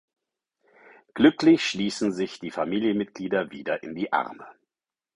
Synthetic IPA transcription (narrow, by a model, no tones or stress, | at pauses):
ɡ̥lʏklɪçʃliːsn̩zɪçd̥iːfamiːljənmɪt̚ɡ̥liːdɐviːdɐʔɪndiːʔa̰ʁmə